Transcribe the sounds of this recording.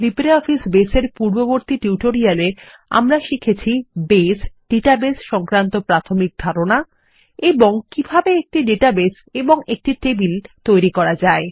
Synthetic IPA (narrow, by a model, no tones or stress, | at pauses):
lipɾeɔfisbeseɾpuɾboboɾt̪iʈuwʈoɾiale | a̰mɾaʃikʰet͡ɕʰibesɖ̥eʈabesʃɔŋkɾant̪opɾat̪ʰomik̚d̪ʱaɾona | eboŋkibʱabeek̚ʈiɖeʈabes | eboŋek̚ʈiʈebilt̪ojɾikɔɾad͡ʑae